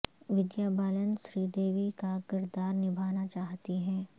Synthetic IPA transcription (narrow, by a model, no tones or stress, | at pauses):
ʋɪd̪jaːbaːlənʃɾiːd̪eːʋikakɪɾd̪aːɾnɪbʱaːnat͡ʃaːɦt̪iɦɛ̃ː